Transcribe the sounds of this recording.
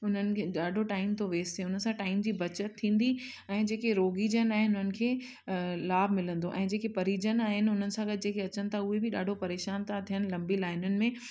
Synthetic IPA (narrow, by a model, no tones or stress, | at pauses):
ʊn̤ənɪ̆kʰeːɗaːɖʱoʈaːɪmt̪oʋeːst̪ʰeʊnəsãʈaːɪmd͡ʑiːbʱɐt͡ɕət̪ʰːĩːn̆d̪i | ɛ̃ːd͡ʑeːkeɾoːɡid͡ʑənaːɦɪnʊn̤ənɪ̆kʰeː | laːb̚ʱmɪlə̃nd̪oʔɛ̃ːd͡ʑeːkepɐɾid͡ʑənaːɦɪnɪʊn̤ənɪ̆sãɡət̪ɪd͡ʑeːkeɐt͡ɕənɪ̆t̪ʰaʊɦebɪɗaːɖʱopɐɾeːʃaːnt̪ʰat̪ʰijənɪ̆lɐ̃mbilaːɪnʊnɪ̆mẽ